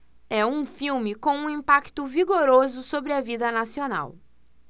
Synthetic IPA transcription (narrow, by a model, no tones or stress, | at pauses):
ɛũfiwmɪkõũĩmpakt̪ʊviɡoɾozʊsobɾɪɐvid̪ɐnasiona̰w